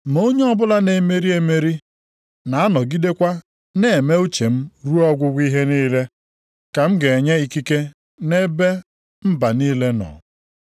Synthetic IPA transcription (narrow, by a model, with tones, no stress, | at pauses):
mo˦ɲe˦ɔ˦bʊ˦la˦ne˨me˦ɾi˦e˨me˦ɾi˦ | na˨a˦nɔ˨ɡi˦de˦kʷa˦ | ne˦˨e˨me˦u˦t͡ʃe˨m̩˦ɾu˦ɔ˦ɡʷʊ˦ɡʷi˦ɦe˦niː˦le˦ | ka˨m̩˦ɡe˨e˨ɲe˦i˨ki˦ke˦ | ne˦be˦ | m̩˦ba˨ni˦le˦nɔ̰˨